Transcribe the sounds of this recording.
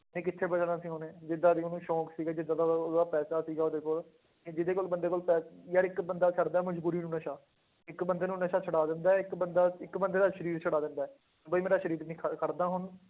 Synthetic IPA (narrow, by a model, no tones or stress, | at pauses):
nẽːk̬ɪt̪ʰːeːbəd͡ʒanãːsĩːɦoːneːd͡ʒɪd̪ːaːd̪iːoːnũːʃɔːksiːɡaːd͡ʒɪd̪aːd̪aːd̪aːpɛːsaːsiːɡaːoːd̪eːkʊl | ed͡ʒɪd̪eːkoːlbənd̪eːkolpɛːjaːɾɪkbənd̪aːt͡ʃʰəɽd̪aːɛːməd͡ʒbuːɾiːnũːnəʃaː | ɪkbənd̪eːnũːnəʃaːt͡ʃʰəɽaːd̪ɪnd̪aːɛɪkbənd̪aːɪkbənd̪eːd̪aːʃəɾiːɾt͡ʃʰəɽaːd̪ɪnd̪aːɛː | bəiːmeːɾaːʃəɾiːɾniːkʰkʰəɾd̪aːɦʊn